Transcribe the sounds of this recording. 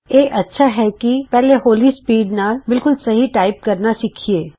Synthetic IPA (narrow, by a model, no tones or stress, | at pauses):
jeːʔɐtːʃʰaɦɛkipɛːleɦoːlispiːɖnaːlbɪlkʊlsɐɦiʈaːɪp̚kɐɾnasiːkʰieː